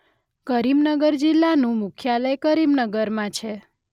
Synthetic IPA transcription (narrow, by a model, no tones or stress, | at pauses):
kəɾimnəɡəɾd͡ʒilːanũmʊkʰjaləjkəɾimnəɡəɾmãt͡ʃʰe